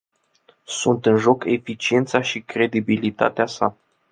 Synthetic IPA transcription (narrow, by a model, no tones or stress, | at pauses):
sunt̪ɨnʒo̞kʰefit͡ʃie̞nt̪saʃikɾe̞d̪ibilit̪a̰t̪easa̰